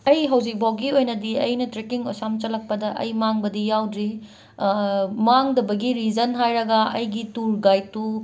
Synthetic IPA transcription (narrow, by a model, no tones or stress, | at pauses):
ɐjɦɐwd͡ʒik̚bawɡiojnɐdiɐjnɐtɾekiŋo̰samt͡ʃɐlːɐk̚pɐdɐʔɐ̰jmaŋbɐdijawdɾi | maŋdɐbɐɡiɾid͡ʒɐnɦajɾɐɡɐɐjɡituɾɡajtːu